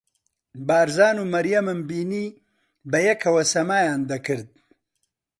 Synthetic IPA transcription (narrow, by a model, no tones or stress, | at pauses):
bɑːɾzɑːnumɐɾjɐmɐmbiːni | bɐjɐkʰɐwɐsɐmaːjaːnd̪ɐkɨɾd̪̚